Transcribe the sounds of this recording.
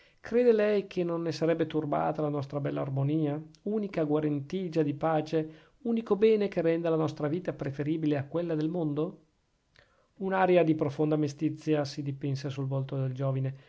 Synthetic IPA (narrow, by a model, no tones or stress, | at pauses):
kɾeːd̪elɛjkʰenonːesaɾɛbːet̪urba̰ːt̪alanɔst̪ɾabɛlːaːrmoniːauːnikaɡwaɾent̪iːd͡ʒad̪ipaːt͡ʃe | uːnikobɛːnekerːɛnd̪alanɔst̪ɾaviːt̪apɾefeɾiːbileakːwelːad̪elmond̪o | unaːɾjad̪ipɾofond̪amest̪it̪sːjasid̪ipɛnsesulvolt̪od̪eld͡ʒoːvine